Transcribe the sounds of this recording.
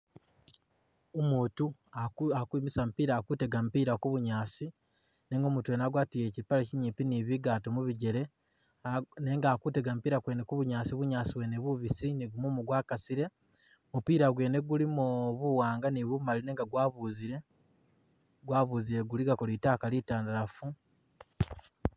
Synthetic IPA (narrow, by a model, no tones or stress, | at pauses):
omuːtuaakwiːmisam̩piːɾaːkute̞ɡampiːɾakuβuɲaːsi | ne̞ːŋɡo̞muːtue̞naɡwaːtijecipaleciɲiːpiniβiɡaːtomuβiɟe̞le̞ | ne̞ːŋɡaːkuteɡam̩upiːɾakwe̞ːnekuβuɲaːsiβuɲaːsiweneβuβisiniɡumomuɡwaːkasiɾe̞ | mupiːɾaɡwe̞ːne̞ɡulimoβuwaːŋɡaniβumaline̞ːŋɡaɡwaːβuziɾe̞ | ɡwaːβuːziɾeɡuliɡakoliitaːkalitaːndaɾafu